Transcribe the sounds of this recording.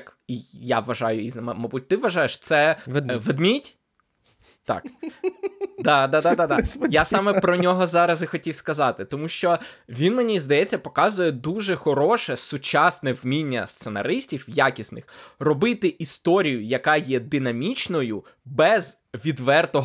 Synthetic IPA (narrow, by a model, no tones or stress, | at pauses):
kijaʋɐʒɑjʊiznɐmɐmɐbut̚ʲt̪ɪʋɐʒɑjeʃt̪sɛʋed̪mʲitʲ | t̪ɑ̰k | d̪ɑd̪ɑd̪ɑd̪ɑd̪ɑjasɑmɛpɾɔnʲɔɦɔzɑɾɐzɪxɔtʲiwskɐzɑt̪ɪt̪ɔmuʃt͡ʃɔʋʲinmenʲizd̪ɐjɛt͡sʲːɐpɔkɑzʊjɛd̪uʒɛxɔɾɔʃɛsʊt͡ʃɑsnɛwmʲinʲːɐ̰st̪senɐ̰ɾɪsʲtʲiwjakʲisnɪ̰xrɔbɪt̪ɪʔist̪ɔɾʲijʊjɐkɑjɛd̪ɪn̪ɐmʲit͡ʃnɔjʊ | bɛz | ʋʲid̪ʋɛrt̪ɔɦ